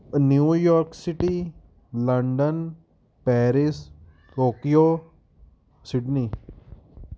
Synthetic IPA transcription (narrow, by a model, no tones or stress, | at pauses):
njuːjɔːɾksiʈi | ləɳɖən | pɛːɾis | ʈoːkijo | sɪɖni